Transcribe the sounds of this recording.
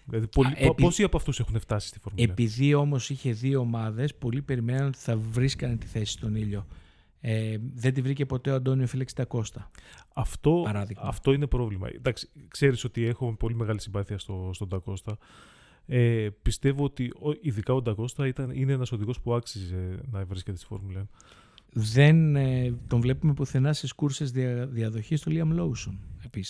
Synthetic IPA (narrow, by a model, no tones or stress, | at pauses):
ðlɐðipoliposiɐpoɐft̪use̞xuneft̪ɐsi̥st̪i̥fo̞ɾmueipiðio̞mo̞siçe̞ðioːmɐðe̞spo̞lipe̞ɾime̞nɐno̞t̪i̥θɐvɾiskɐnt̪i̥θe̞si̥st̪o̞niʎo̞ | eðe̞nd̪ivɾice̞po̞t̪e̞oɐnd̪o̞niofilekst̪ɐko̞st̪ɐɐft̪o̞ɐɾɐðiɣɐft̪o̞ine̞pɾo̞vlimɐ̰d̪ɐksi̥kse̞ɾiso̞t̪ie̞xopo̞lime̞ɣɐlisimbɐθiɐst̪ost̪od̪ɐko̞st̪ɐ | epist̪e̞voot̪ioiðikɐo̞nd̪ɐko̞st̪ɐit̪ɐnineenɐso̞ðiɣo̞spuɐksize̞nɐvɾiscet̪st̪i̥fo̰ɾmuleɐn | ðent̪o̞ɱvle̞pume̞puθenɐst̪iskuɾsezðiɐðo̞çist̪oliɐmlowsonepis